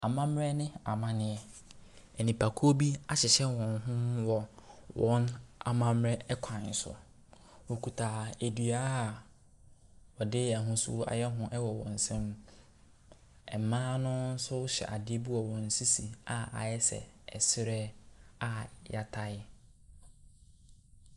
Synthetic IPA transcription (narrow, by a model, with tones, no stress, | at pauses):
a˨mã˦mɾɛ˦nɪ̃˦a˨mã˦nɪ̃˨ɛ˨ | ɛ˨nĩ˨pʰa˨kʰo˦bi˦a˨ɕɪ˨ɕɛ˦wɔ̃˨n˦ɦʊ̃˦wɔ˨wɔ̃˦na̰˨mã˦mɾɛ˦kʷʰã˨n˨sʊ̰˨ | wo˨kʰu˨tʰaː˨e˨dɥa˦˨ | wɔ˨dɪ˦ɛ˨ɦʊ̃˦sʊ̰˦a̰˨jɛ˦ɦʊ̃˦ʔɛ˦wɔ˨wɔ̰̃˨n̩˨sɛ̃˦m | ɛ˨mãː˦nʊ̃˦n̩˦sʊ˦wʊ˦ɕɛ̰˨ʔa˨dɪ˦e˦bi˦wɔ˨wɔ̃˨n̩˨si˦si˨a˨a̰˨jɛ˦sɛ̰˨ɛ˨sɪ˦ɾɛ˦a˨ja˨tʰa˨ɪ˦